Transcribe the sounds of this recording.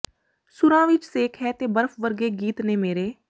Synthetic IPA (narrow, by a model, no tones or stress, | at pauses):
sʊɾãːʋɪt͡ʃseːkʰɦɛːt̪eːbəɾfʋəɾɡeːɡiːt̪neːmeːɾeː